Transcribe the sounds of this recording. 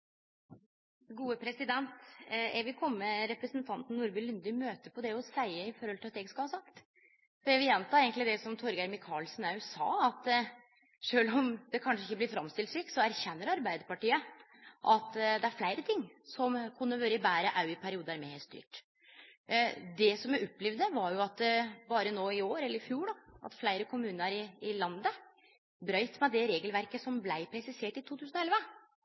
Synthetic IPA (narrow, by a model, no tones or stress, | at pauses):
ɡuːəpʰɾɛsɪd̪ɛnt̪ɛʋɪkʰɔmːəɾɛpɾəsənt̪ʰɑnt̪n̩ːuːɾbɪlʏnd̪ɪmøːt̪əpʰɔd̪ɛjʊsæɪəɪfɔɾhɔlɪlɑt̪jɛɡskɑhɑːsɑkt̪ | fɔɾɛʋɪjɛnt̪ʰɑːeːɡəŋk̪lɪd̪ɛsɔmt̪ʰɔɾɡæɾmɪkʰɑːlsnɑʉsɑ̰ːɑt̪ | ʂøːlɔmd̪ɛkʰɑnʂəɪçːəblɪfɾɑmst̪ɪlt̪syːksɔæɾçɛnːəɾɑɾbæɪd̪əɾpɑʈiːə | ʔɑt̪d̪ɛæɾflæɪɾət̪ʰɪŋːsɔmkʰʉnːəʋøːɾəɪbæːɾəʔɑʉɪpʰæɾɪuːd̪əæɾmɛhestd̪y̰ːʈ | d̪ɛsɔmæɾɔpːlɛʋd̪əʋɑɾjʊɑt̪bɑːɾənoːɪoːɾɛlːəɾɪfjuːɖɔʔɑ̰t̪flæɪɾəkʰʊmʉːnəɾɪɪlɑnd̪ə | bɾœʏt̪mɛd̪ɛɾeːɡəlʋæɾkəsɔmblæɪpʰɾɛsɪseːʈɪt̪ʰuːt̪ʉːsnɔɛlʋə